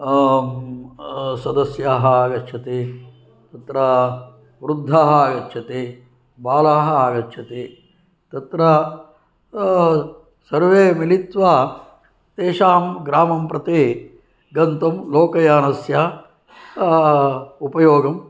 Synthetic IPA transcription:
sɐd̪ɐsjaːɦɐaːɡɐtːt͡ʃʰɐt̪eː | t̪ɐt̪ɾɐ | ʋɾud̪ʱːaːɦɐaːɡɐtːʃʰɐt̪eː | baːlaːɦɐ̆aːɡɐtːʃʰɐt̪eː | t̪ɐt̪ɾɐ | sɐɾʋeːmilit̪ʋaː | t̪eːʂaːmɡɾaːmɐmpɾɐt̪eː | ɡɐnt̪ɐmloːkɐjaːnɐsjɐ | upɐjoːɡɐm

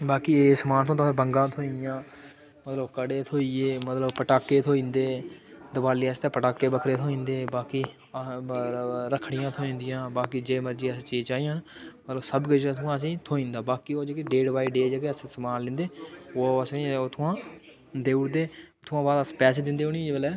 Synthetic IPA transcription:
baːkiːeːsmaːnt̪ʰõːt̪̬ːẽːbəŋɡãːt̪ʰoːĩjãː | mət̪ləbkəɽeːt̪ʰoːiːeːmət̪ləbpəʈaːkːeːt̪ʰoːĩːnd̪eːd̪əbaːlijːst̪ẽːpəʈaːkːeːbəkʰɾeːt̪ʰoːĩːnd̪eːbaːkiː | ɾəkʰɽɪjãːt̪ʰoːĩːnd̪ɪjãːbaːkiːd͡ʒeːməɾd͡ʒiːət͡ʃiːt͡ʃaːiːənmət̪ləbsəbked͡ʒt̪ʰʊãːsĩːt̪ʰoːĩːnd̪aːbaːkiːoːd͡ʒeːkeːɖeːɖbaːiɖeːd͡ʒekeːəssəmaːnlɪ̃nd̪eːoːəsot̪ʰːãː | d̪eːʊɽd̪eːt̪ʰʊãːbaːd̪əspɛːseːd̪ɪnd̪eːʊnid͡ʒbəlɛː

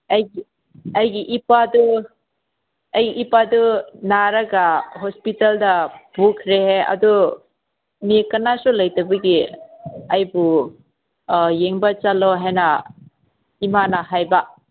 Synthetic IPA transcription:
ɐjɡi | ajɡiʔipadu | ajɡiʔipadunaɾɐɡaɦɔspitaldɐbukʰɾeheɐ̰du | mikɐnasulajtabɐɡi | ɐjbu | jeŋbat͡ʃalɔɦajnɐ | imanaɦajba

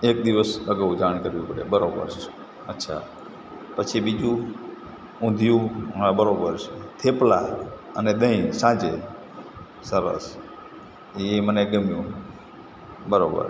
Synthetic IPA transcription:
ek̚d̪iʋəsəɡəʋud͡ʒaɳkəɾʋĩpəɽḛbəɾobə̰ɾt͡ʃe | ətːʃʰa̰ | pət͡ʃʰibid͡ʒũ | ũnd̪ʱjũmabəɾobəɾt͡ʃʰet̪ʰepla | əned̪əĩsãd͡ʒe | səɾə̰s | eməneɡəmjũ | bəɾobə̰ɾ

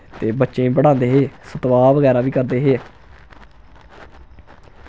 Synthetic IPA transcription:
t̪eːbətːʃẽːbəɽãːnd̪eːɦeːsət̪ʋaːʋəɡɛːɾaːʋiːkəɾd̪eːɦeː

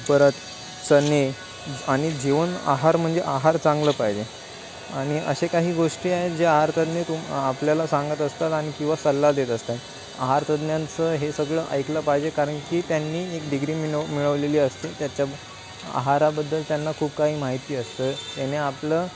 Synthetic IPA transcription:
pəɾət̪ | t͡səne | aɽ̃id͡ʑeʋəna̰ɦaɾm̤əɳd͡zeʔaɦaɾt͡sãŋɡləːpaɦid͡ʑe | aɽ̃iə̰ɕekaɦiːɡoʂʈiːaɦet̪d͡ʑeaɦaɾt̪əd̪net̪umapljalasãŋɡət̪əst̪at̪aɽ̃ikĩw̃ʋasəlːad̪et̪əst̪at̪ | a̰ɦaɾt̪əd̪njãnt͡səɦesəɡɭəʔə̰jkləpaɦid͡ʑekaɾəɳkiːt̪janːiːekɖiɡɾiːmimiɭəʋleliːəst̪et̪jat͡ɕja | a̰ɦaɾabəd̪ːəlt̪janːakʰuːpkaɦiːmaɦit̪iːəst̪ət̪eneapləː

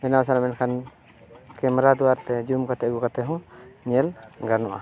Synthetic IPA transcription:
bɛnaws̬alamɛnkʰan | kɛmɾad̪uwaɾt̪ɛd͡ʒumkat̪ɛɡukat̪ɛɦɔ̃ɲɛlɡaɾnɔʔa̰

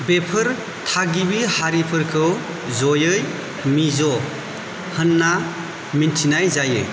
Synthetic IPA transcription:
bepʰɯɾ | tʰaɡiβihaɾipʰɯɾkʰɯ | zɔjɯj | mizɔ | hɯnːa | mintʰinajzajɯ̰

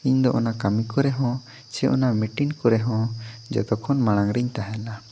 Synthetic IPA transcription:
iɲd̪ɔʔɔnakamikɔɾɛɦɔ̃ | t͡ʃɛʔɔnamiʈinkɔɾɛɦɔ̃d͡ʒɔ̰t̪ɔkʰɔnmaɽ̃aŋɾiɲt̪aɦɛla

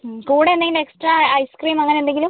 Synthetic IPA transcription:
kuːɽeendeŋɡile̞ksʈraːjskriːmɐŋːɐneend̪eŋɡilum

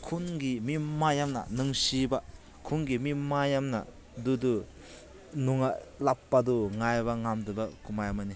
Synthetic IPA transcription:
kʰunɡimimajamnɐ̰nɯŋsiba | kʰunɡimimajamna̰ | dudu | nuŋalapːaduŋajbaŋamdɯbakumajamani

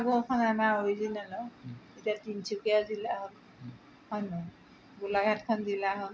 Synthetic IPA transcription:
aɡuɔkʰɔnamaobizinalɔitiatint͡ʃʰukiazilaɦol | hɔjnɔ | ɡulaɡʱatkʰɔndilaɦɔn

